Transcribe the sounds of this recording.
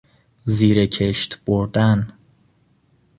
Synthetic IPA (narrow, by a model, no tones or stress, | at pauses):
ziːɾecʰeʃt̪b̥oɾd̪æn